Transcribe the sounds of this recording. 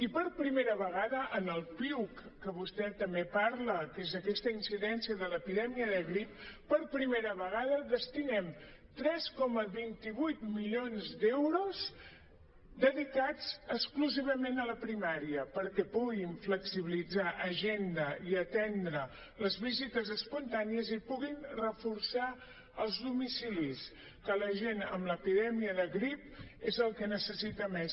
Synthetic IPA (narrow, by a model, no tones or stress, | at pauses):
ipəɾpɾimeɾəβəɣ̞aðəʔənəlˠpiwkːəβust̪ɛt̪əmbepaɾləkezəkɛst̪əinsiðɛnsiəðələpiðɛmiəðəɣɾip̚pːəɾpɾimeɾəβəɣ̞aðəðəst̪inɛm | t̪ɾɛskɔməβint̪iβujt̪miʎonzd̪ɛwɾuz | d̪əðikad͡zəskluziβ̞əmenələpɾimaɾiəpəɾkɛpuɣiɱfləksiβ̞ilid͡zaʔəʒend̪əiət̪ɛnd̪ɾə | ləzβizit̪əzəspunt̪aniəzipuɣinrəfuɾsa | əlˠzðumisilis | kələʒenə̰mləpiðɛmiəðəɣɾip̚ezəlˠkənəsəsit̪əmes